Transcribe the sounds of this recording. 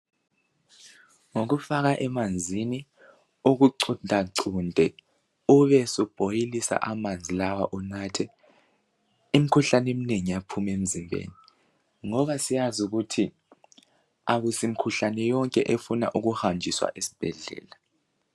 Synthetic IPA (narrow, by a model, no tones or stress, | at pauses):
ŋok̬ufak̬aʔɛmand͡zʱini | uk̬uǀʰundʱaǀʰundʱɛ | uɓɛsɔb̥ʱojilisa̰ʔamand͡zʱilawaʔɔnaːtʰɛ | im̩kʰuɬanem̩neŋijapʰumem̩zimbʱḛːni | ŋɔɓasijazuk̬utʰi | aɓusim̩kʰuɬanɛjɔŋkʼɛʔefuna̰ʔuk̬uhamd͡ʒʱiswa̰ʔesi̥b̥ʱɛɮɛ̰ːla